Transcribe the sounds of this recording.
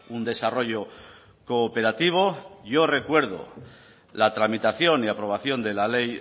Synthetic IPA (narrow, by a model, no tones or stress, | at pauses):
und̪e̞saro̞ʎo̞ | koːpe̞ɾat̪iβ̞o̞ʝo̞re̞kwe̞ɾð̞o̰ | lat̪ɾamit̪aθjo̞niapɾo̞β̞aθjo̞nd̪e̞lale̞j